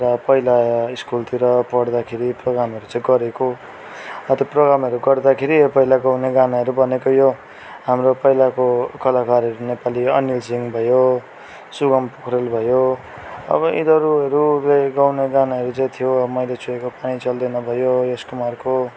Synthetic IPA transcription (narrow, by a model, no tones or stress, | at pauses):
rʌpʌilaiskult̪iɾʌpʌɽd̪akʰeɾiproɡɾamɦʌɾut͡sãj̃ɡʌɾeko | ʌt̪oproɡɾamɦʌɾuɡʌrd̪akʰeɾipʌɦilaɡawneɡanaɦʌɾubʱʌnekojo | ɦamropʌilakokʌlakaɾʌɾunepaliʌ̰nilsiŋbʱʌjo | suɡʌmpokʰɾelbʱʌjo | ʌ̰bʌʔḭd̪ʌɾuʌɾuleɡawneɡanaɦʌɾut͡saĩt̪ʰijoʌbʌmʌjlet͡sʰuekopaɽ̃it͡sʌld̪ʌnʌbʱʌjojeskumarko